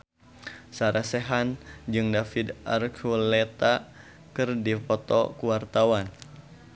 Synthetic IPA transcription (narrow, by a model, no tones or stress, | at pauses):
saɾasɛɦand͡ʒɨŋdafid̪arkʰulɛt̪a | kɨrdipɔt̪ɔ̰kuwart̪awan